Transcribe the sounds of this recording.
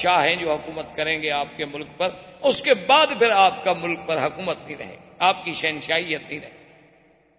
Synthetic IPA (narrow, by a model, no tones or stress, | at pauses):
ʃaːɦɛ̃d͡ʒoːɦʊkuːmət̪kɐɾẽːɡeaːpkemʊlkpɐɾʊskebaːd̪pʰɪɾaːpkamʊlk̚pɐɾɦɐkuːmət̪nɦĩɾɐ̰ɦḛ̃ː | aːpkiʃɛːnʃaːijət̪̚nəɦĩːɾɐɦẽːi